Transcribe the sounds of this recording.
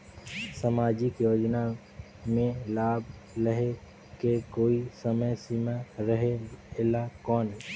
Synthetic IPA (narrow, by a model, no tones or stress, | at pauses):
səmaːd͡ʒɪkjoːd͡ʒna | mẽlaːbləɦe | kekoːisəməjsimaɾəɦeelakɔːne